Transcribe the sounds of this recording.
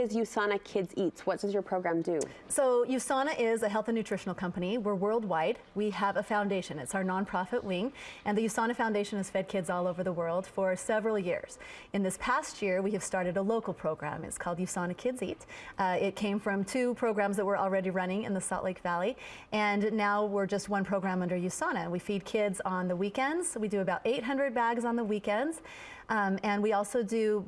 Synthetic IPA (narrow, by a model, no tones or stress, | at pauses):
ʌzjʉsɑnɨkʰɪdzitswʌt̚d̥ʌzjə˞pʰɹ̥oʊɡɹæ̃mdʉsoʊjʉsɑnɨʔɪzɨɦɛlˠθinʉtɹ̥ɪʃn̩l̩ˠkʰʌ̃mpɨniwɪɹwɜ˞lˠd̚waɪd̚wiəvəfãʊ̃ndeɪʃɨ̃nɨtsaʊə˞nɑ̃npʰɹ̥ɑfɨʔwɪ̃ŋɨ̃nðɨjʉsɑñɨfãʊ̃ndeɪʃɨ̃nɨz̥fɛd̚kʰɪdzɔlˠoʊvə˞ðəwɜ˞lˠd̥fə˞sɛvɹl̩ˠjɪ̰ɹz̥ɨ̃nðɪspʰæst̚jɪɹwiɨv̥stɑɹɾɨɾəloʊkl̩ˠpʰɹ̥oʊɡɹæ̰̃mɨ̰tskʰɔlˠdjʉsɑnɨkʰɪdzitɪt̚kʰẽɪ̃ɱfɹʌ̃mtʰʉpʰɹ̥oʊɡɹæ̃mzðɨt̚wə˞ʔl̩ˠɹɛɾiɹʌñɪ̃ŋɨ̰̃nðəsɑ̰ʔleɪkv̥ælˠi | ʔɨ̃nːaʊwɪɹd͡ʒʌst̚wʌ̃npʰɹ̥oʊɡɹæ̃mʌ̃ndə˞jʉsɑñɨwifid̚kʰɪdzn̩ðəwikɛ̃ndz̥widɨɨbaʊɾʔeɪt̚ɦʌ̃ndɹɨd̚bæɡzn̩ðəwikɛ̃ndz̥ | ɨ̃nwiɔlˠsoʊdɨ